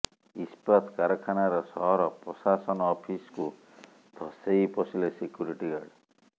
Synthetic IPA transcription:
ispɾɔt̪kaɾɔkʰanaɾɔsɔɦɔɾɔpɾɔsasɔnɔːpʰisku | d̪ʱɔsejpɔsilesikjuɾiʈiɡaɖ

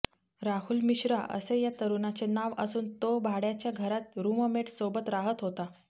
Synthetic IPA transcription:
ɾaɦuːlmiɕɾa̰ʔə̰sejat̪əɾunat͡senaʋəsuːnt̪obʱaɽjat͡ɕjaɡʱəɾat̪ɾuməmeʈsobət̪ɾaɦət̪ɦot̪a

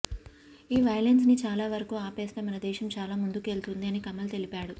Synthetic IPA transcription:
iːʋɐjlens̬nit͡ʃaːlaːʋɐɾɐkuːaːpeːst̪eːmɐnɐd̪ɛːʃɐmt͡ʃaːlaːmund̪uke̞ːlt̪und̪iɐnikɐmːɐlt̪e̞lipaːɽu

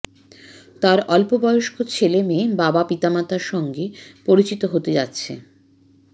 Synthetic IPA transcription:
t̪aɾɔlpobɔjoʃkʰot͡ɕʰelemebabapit̪amat̪aɾʃɔŋɡepoɾit͡ɕit̪oɦot̪ed͡ʑatːɕʰḛ

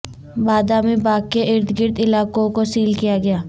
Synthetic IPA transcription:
baːd̪amẽbaːkkːeʔɪɾt̪ʰɡɪɾt̪ɪlaːkõkosiːlkijaɡɐjaː

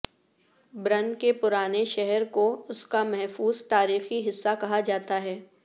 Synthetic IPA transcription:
bɾɐ̃nkepʊɾaːneʃɛɦɛɾkoʊskamɛɦfuːzt̪aːɾiːxiɦɪsːakɐɦad͡ʒaːt̪aɦɛː

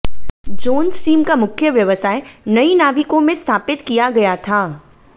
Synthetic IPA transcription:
d͡ʒoːnsʈiːmkamʊkʰjəʋjɐʋəsaːenɐinaːʋɪkõmẽst̪ʰaːpɪt̪kijaɡɐjat̪ʰaː

